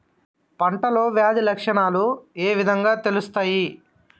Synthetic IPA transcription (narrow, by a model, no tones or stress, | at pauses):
pɐɳʈɐlo̞ːʋjaːd͡ʒlɐkʂɐɳaːlueːʋid̪ʱɐŋɡaːt̪e̞lust̪aːji